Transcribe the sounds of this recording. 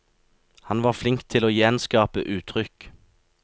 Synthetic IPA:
hɑnʋɑːʁflɪŋkt̪ʰɪloːjɛnskɑːpə̰ʔʉːt̪ʰʁʏk

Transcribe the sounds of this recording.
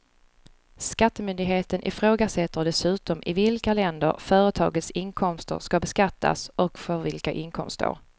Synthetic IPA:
skat̪ːəmʏnd̪ɪɡɦeːt̪ənʔɪ̰fɾoːɡasɛt̪ːəɖɛsʉ̟ːt̪ɔmʔɪ̰vɪlkalɛnd̪ə̰ɾfœːɾət̪ʰɑ̰ːɡət̪sɪnkʰɔmst̪ə̰ɾʂkabɛskat̪ʰːa̰sʔɔkfœɾvɪlkaʔɪŋkʰɔ̰mst̪ə̰ɾ

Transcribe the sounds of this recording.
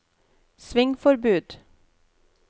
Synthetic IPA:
sʋɪŋfɔɾbʉːd̪̥

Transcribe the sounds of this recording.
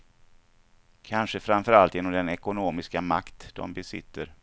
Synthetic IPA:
kʰanʂəfɾamfœɾalt̪jeːnɔmd̪ɛnɛkʊnoːmɪskama̰kt̪d̪̥ɔ̰mbɛsɪ̰t̪ːəɾ

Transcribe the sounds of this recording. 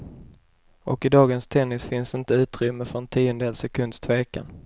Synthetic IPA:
ʔɔkɪd̪ɑːɡənst̪ʰɛnːɪsfɪnsɪnt̪əʉ̟ːt̪ɾʏmːəfœɾɛnt̪ʰiːʊnd̪eːlsɛkʰɵnd̪st̪ʰveːka̰n

